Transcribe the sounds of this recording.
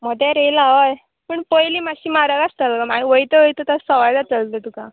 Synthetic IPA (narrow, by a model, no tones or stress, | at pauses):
m̤əd̪ʱjaɾelaʋəj | pəɳpəjliːmaɕiːmaɾəɡast̪əlɡamaiʋəjt̪əʋəjt̪ət̪asəʋajd̪at͡səlt̪ət̪uka